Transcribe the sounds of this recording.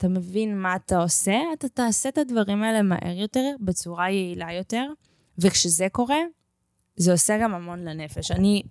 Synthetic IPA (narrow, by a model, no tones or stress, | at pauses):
at̪ame̞vinmaːt̪ao̞se̞atat̪aːset̪advaʁimaelema̰ʔe̞̰ʁjo̞teʁbet͡suʁajeilajo̞te̞ʁ | vekʃezeko̞ʁe̞ | zeo̞seɡamamo̞nlene̞feʃani